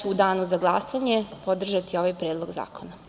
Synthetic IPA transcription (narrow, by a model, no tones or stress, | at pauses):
ud̪aːnuzaɡlˠasaɲe̞pod̪r̩ʒat̪io̞ʋajpɾeːd̪lˠo̞ɡza̰ːkʰona